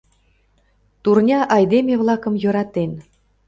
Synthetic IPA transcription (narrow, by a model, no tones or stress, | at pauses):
t̪urnʲɑʔɑjd̪emʲevlˠɑkɤ̆mjɤ̆ɾɑt̪en